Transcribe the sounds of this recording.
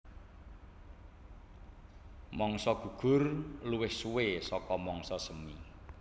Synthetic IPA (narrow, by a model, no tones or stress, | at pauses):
mɔŋsɔɡ̥ṳɡ̥ʊ̤rluwɪhsuwesɔkɔmɔŋsɔsəmi